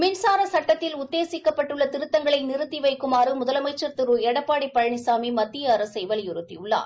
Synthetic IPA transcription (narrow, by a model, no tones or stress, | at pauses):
mɪnsaːɾɐsɐʈːɐt̪ːɪlʊt̪ːeːsɪkːɐpːɐʈːɯɭːɐt̪ɪɾɯt̪ːɐŋɡɐɭɐɪnɪɾɯt̪ːiʋɐɪkːɯmaːɾɯmʊðɐlɐmɐɪt͡ʃːɐɾt̪ɪɾɯɛɽɐpːaːɽipːɐɻɐɳɪsaːmimɐt̪ːɪjɐɾɐsɐɪʋɐljʊɾɯt̪ːijɯɭːa̰ːɾ